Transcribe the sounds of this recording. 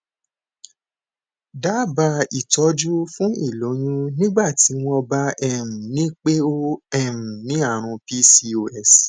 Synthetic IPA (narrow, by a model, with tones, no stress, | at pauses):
da˨˦ba˧i˦˨tɔ˨˧˦d͡ʒu˦fũ˦i˦˨lo˨˦j̃ũ˦nĩ˦ɡ͡ba˦˨ti˨˦w̃ɔ̃˧ba˧˦ɛ˦˨m̩˨nĩ˦k͡pe˦o˦ɛ˦˨m̩̃˨nĩ˨˦a˦˨ɾ̃ũ˧pi˦si˧o˧ɛ˨s